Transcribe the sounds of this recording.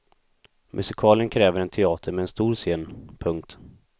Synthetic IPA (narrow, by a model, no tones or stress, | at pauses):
mʔɵsɪkʰɑːlɪənkʰɾɛːvəɾɛnt̪ʰɛɑːt̪ʰəɾmɛɛnst̪uːɾseːnpʰɵŋk̚t̪